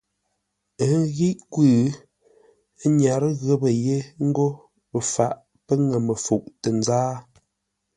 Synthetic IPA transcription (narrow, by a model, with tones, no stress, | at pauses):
ə˨˦ɣi˦ʔkwʉː˦˨˦ | ɲa˨ɾə˦ɣə˦bə˨je˦ŋ̩˦ɡo˦ | ə˨fa˨ʔ | pə˦ŋə˨mə˨fu˨ʔtə˨n˦zaː˦